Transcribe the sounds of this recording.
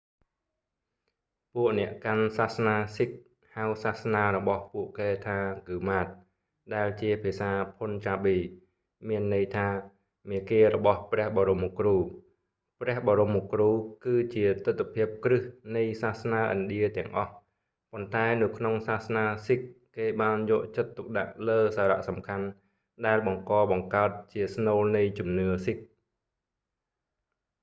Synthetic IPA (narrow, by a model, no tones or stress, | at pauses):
puəʔnɛ̆əʔkansahsnaːsik̚ | hawsahsnaːɾɔɓɑhpuəʔkeːt̪ʰaːkɨːmaːt̪̚ | ɗaɛlt͡ɕiəpʰiəsaːpʰont͡ɕaːɓiː | miənːɨjt̪ʰaː | miəkeːrɔɓɑhprɛ̆əhɓɑːɾomːokruː | prɛ̆əhɓɑːɾomːokruːkɨːt͡ɕiət̪ɨt̪ʰːpʰiəp̚krɨhnɨjsaːhsnaːʔɑ̰nɗiət̪ɛ̆əŋʔɑh | pont̪aɛnɨwkʰnoŋsaːhsnaːsik̚keːɓaːnjɔːʔt͡ɕət̪ːuk̚ɗa̰ʔləːsaːɾa̰ʔsɑmkʰan | ɗaɛlɓɑŋkɑːɓɑŋkaət̪̚t͡ɕiəsnoːlnɨjt͡ɕumnɨəsik̚